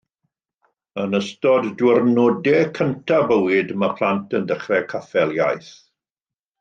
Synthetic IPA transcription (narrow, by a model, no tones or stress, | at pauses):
ənəstɔdːwɪrnoːdɛkʰəntʰabəwɪdmapʰlˠantʰəndəχrɛkʰafɛlˠja̰jθ